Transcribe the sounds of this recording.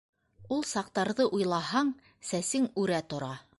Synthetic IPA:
ulˠsɑq̚t̪ɑɾðɤʔujlˠɑɦɑɴ | sæsɘŋʉɾæt̪ŏɾɑ

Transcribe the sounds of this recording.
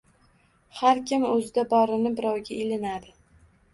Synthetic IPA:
haɾkʲɪmɵzɪd̪abɒɾɪnɪbɪɾɒwɡʲaelɪnad̪ɪ

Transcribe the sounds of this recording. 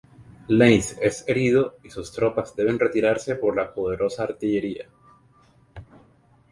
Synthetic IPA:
lejse̞se̞ɾiðo̞isust̪ɾo̞pazd̪e̞β̞e̞nre̞t̪iɾaɾse̞po̞ɾlapo̞ð̞e̞ɾʔo̞saːɾt̪iʝe̞ɾia

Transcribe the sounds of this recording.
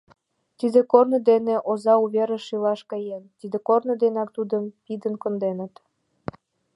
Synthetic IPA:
t̪id̪ekornə̆d̪eneʔozɑuβeɾə̆ʃilɑʃkɤjent̪id̪ekornə̆d̪enɑk̚t̪ud̪əmpid̪ənkŏnd̪enə̆t̪

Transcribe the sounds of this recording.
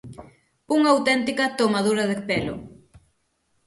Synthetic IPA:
uŋɐawt̪ɛnt̪ikɐt̪omað̞uɾɐðepelʊ̰

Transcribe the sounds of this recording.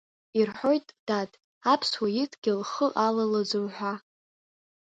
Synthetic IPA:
irħo̞jtʼd̥atʼ | apʰswajɪtʼɡ̥ʲɪlχəʔalalad͡zɨwħᶣʷa

